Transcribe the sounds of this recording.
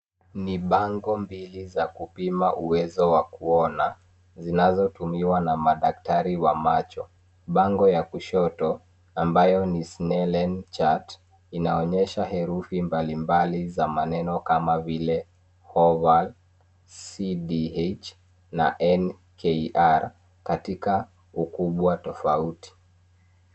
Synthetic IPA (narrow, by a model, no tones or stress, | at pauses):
niɓaŋɡɔmbilizakupimaʔuwɛzɔwakuɔna | zinazɔtumiwanamaɗak̚taɾiwamat͡ʃɔ | ɓaŋɡɔjakuʃɔtɔ | ambajɔnisnɛlɛnt͡ʃat | inaɔɲɛʃaɦɛɾufimbalimbalizamanɛnɔkamavilɛ | hɔval | siɗiet͡ʃ | na̰ʔɛn | kʰɛʔaɾ | katika | ukuɓwatɔfauti̥